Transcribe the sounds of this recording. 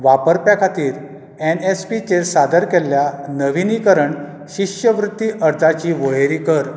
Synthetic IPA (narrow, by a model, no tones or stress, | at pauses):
ʋapəɾpjakʰat̪iːɾ | enespit͡ɕeɾsad̪əɾkɛljanəʋinikəɾəɳ | ɕiɕjəʋɾut̪ːiʔəɾd͡zat͡ɕiʋojeɾikəɾ